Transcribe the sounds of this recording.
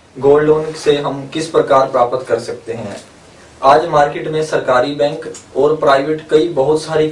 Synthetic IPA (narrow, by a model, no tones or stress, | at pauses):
ɡoːlːõːnɡseɦɐmkɪspɾɐkaːɾpɾaːpət̪kɐɾsɐk̚t̪eɦɛ̰̃ː | aːd͡ʒmaːɾkeːʈmẽsɐɾkaːɾibɛ̃ːŋkɔːɾpɾaːɪʋeʈkɐibɐɦʊt̪saːɾi